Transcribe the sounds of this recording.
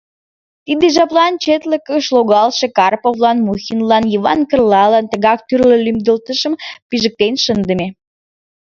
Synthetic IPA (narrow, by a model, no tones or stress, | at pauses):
t̪id̪eʒɑplɑnt͡ɕet̪ləkəʃloɣɑlʃekɑrpovlɑnmuxinlɑnjiβɑnkərlɑlɑnt̪əɣɑk̚t̪yrləlymd̪əlt̪əʃə̆mpiʒə̆k̚t̪enʃənd̪əme